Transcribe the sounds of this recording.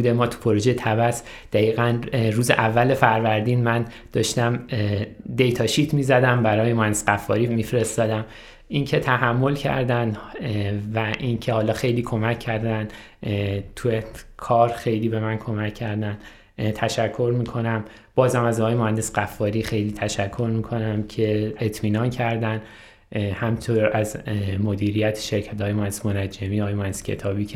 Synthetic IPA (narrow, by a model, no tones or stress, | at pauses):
ud̪emɒːt̪ʰu̥pʰo̞ɾo̞ʒejet̪ʰæbæs | d̪̥æiːɣænruːzeʔævːæle̞fæɾvæɾd̪iːnmæn | d̪̥ɒːʃt̪æm | d̪e̞jt̪ʰɒːʃiːt̪ʰmiːzæd̪æmbæɾɒːjemohænd̪esɡæfːɒːɾimifɾe̞st̪ɒːd̪æm | ʔincʰe̞t̪ʰæhæmːo̞lcʰæ̰ɾd̪æn | væʔincʰehɒːlɒːxe̞jliːkʰo̞mæcʰːæɾd̪ænd̪ | t̪ʰuekʰɒːɾxe̞jliːbe̞mænkʰo̞mæcʰːæɾd̪æn | t̪ʰæʃækʰːo̞ɾmiːkʰo̞næm | b̥ɒːzhæmæzɒɣɒjemohænd̪e̞sɢæfːɒːɾiːxe̞jliːt̪ʰæʃækʰːo̞ɾmiːkʰo̞næmcʰe̞et̪ʰmiːnɒːncʰæɾd̪æn | hæmit̪ʰoɾæzmo̞d̪iːɾijæt̪ʰe̥ʃeɾcʰæt̪ɒːjemohænd̪esmonæd͡ʒːemiːɒːjemohæneskcʰe̞̰t̪ʰɒːbiːcʰ